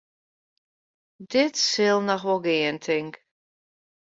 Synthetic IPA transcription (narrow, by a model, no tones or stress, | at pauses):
dɪtsɪlˠnɔxʋɔɡɪəntʰɪŋk